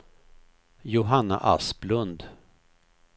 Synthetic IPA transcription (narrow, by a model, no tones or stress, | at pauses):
jʊɦanːa̰ʔa̰splɵnd̪